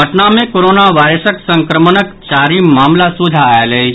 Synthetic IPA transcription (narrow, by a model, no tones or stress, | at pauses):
əʈnamẽkoɾoːnaʋaːɾəsəksə̃ŋkɾəmənəkt͡ʃaːɾimaːmlasud̪ʱaelei